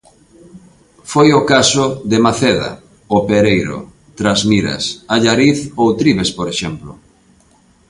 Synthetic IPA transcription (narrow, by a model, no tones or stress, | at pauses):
fojokasʊðemaθeða̰ | opeɾejɾʊ̰ | t̪ɾazmiɾɐ̰saʎaɾiθowt̪ɾiβespoɾeʃɛmplʊ̰